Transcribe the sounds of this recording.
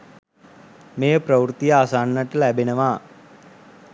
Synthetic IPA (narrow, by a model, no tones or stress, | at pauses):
meːprəwɾut̪ijəasaːnːəʈəlæbenəʋaː